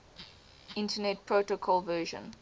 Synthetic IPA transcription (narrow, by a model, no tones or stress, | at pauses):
ɪ̃ntənɛt̚pʰɹotokʰɔlvɜːʒə̰̃n